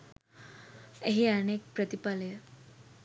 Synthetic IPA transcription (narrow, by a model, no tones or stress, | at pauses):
eɦiənek̚pɾət̪ipaləjə